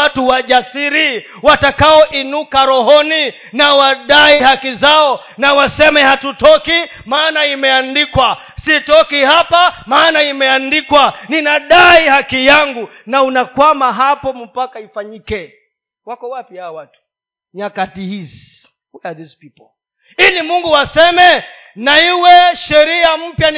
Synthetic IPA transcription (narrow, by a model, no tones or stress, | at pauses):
atuwaʄasiɾi | watakaɔʔinukaɾɔɦɔni | nawaɗaihakizaɔ | nawasɛmɛhatutɔki | maːnaimɛandikwa | sitɔkihapamaːnaimɛandikwaninaɗaihakijaŋɡu | naunakwamaɦapɔm̩pakaifaɲikɛ | wakɔwapihawawatu̥ | ɲakatihizi | wiaðispipɔl | ilimuŋɡuwasɛmɛ | naiwɛʃɛɾiam̩pjan